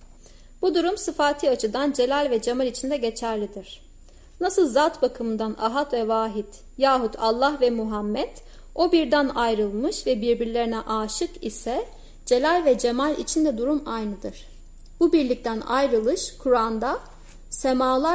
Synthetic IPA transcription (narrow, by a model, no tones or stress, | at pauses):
b̥ud̪uɾumsɯfaːt̪ʰiat͡ʃʰɯd̪and͡ʒe̞lʲalʲvɛd͡ʒemalʲit͡ʃʰind̪ɛɟe̞t͡ʃʰæɾlʲid̪iɾ̥ | nasɯlˠzat̪bakʰɯmɯnd̪ana̰ɦat̪vɛvaːɦit̪ | jaːɦut̪ʰalˠːahvɛmuɦamːɛt̪ | o̞biɾd̪ænajɾɯlˠmɯʃvɛbiɾbiɾlʲe̞ɾinɛʔaːʃɯkisɛ | d͡ʒe̞lʲælʲvɛd͡ʒe̞malʲḭt͡ʃʰind̪ɛd̪uɾumajnɯd̪ɯɾ̥ | b̥ubiɾlʲic̚t̪ʰæna̰jɾɯlˠɯʃkʰuɾand̪a | semaːlˠa